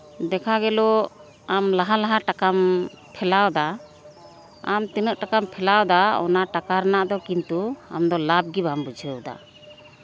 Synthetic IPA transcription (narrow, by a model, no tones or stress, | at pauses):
d̪ɛkʰaɡɛlɔ | amlaɦalaɦaʈakam | pʰɛlawd̪a | a̰mt̪inəʔʈakampʰɛlawd̪aɔ̰naʈakaɾnaʔd̪ɔkint̪ua̰md̪ɔlab̚ɡibambud͡ʒʱəd̪a̰